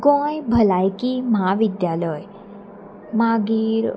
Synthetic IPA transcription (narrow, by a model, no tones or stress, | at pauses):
kõːjbʱəlaːjkiməɦaʋɪd̪jaləj | maɡiɾ